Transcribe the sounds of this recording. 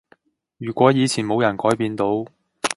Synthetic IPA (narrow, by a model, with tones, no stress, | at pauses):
jyː˨˩kʷɔː˨˥jiː˨˧t͡sʰiː˨˩nmo˨˧wjɐ˨˩nkɔː˨˥jpiː˧nt̪o˨˥w